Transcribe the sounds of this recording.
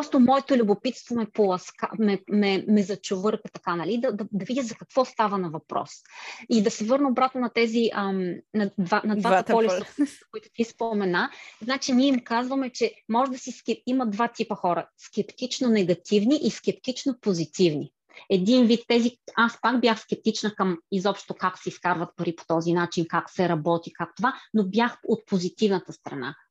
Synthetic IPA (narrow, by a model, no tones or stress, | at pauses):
pɾɔst̪omɔɛt̪olʲʊbopit̪st̪vomɛpolˠɐska̰mɛmɛmɛzɐt͡ʃovɤɾkət̪ɐkanɐlid̪ɐd̪ɐd̪ɐvid̪ʲizɐkɐkv̥ɔst̪avɐnɐvɐpɾɔ̰sid̪ɐsɛvɤɾnəobɾat̪nonɐt̪ɛziənɐd̪vanɐd̪vat̪ɐɔlist̪əkkoit̪ʊ̥t̪ispomɛnaznat͡ʃiniɛimkazvɐmɛt͡ʃɛmɔʒɛd̪ɐsiskɛimɐd̪vat̪ipəxɔɾə̰skʲɛpt̪it͡ʃnonɛɡɐt̪ivniʔiskʲɛp̚t̪it͡ʃnopozit̪ivni | ɛd̪invit̪ːɛziaspakbjaxskʲɛp̚t̪it͡ʃnəkɐmizɔpʃt̪t̪okaksɛiskaɾvət̪̚pɐɾipo̥t̪ɔzinat͡ʃinkaksɛɾɐbɔt̪ikakt̪ovanobjaxot̪̚pozit̪ivnət̪əst̪ɾɐna̰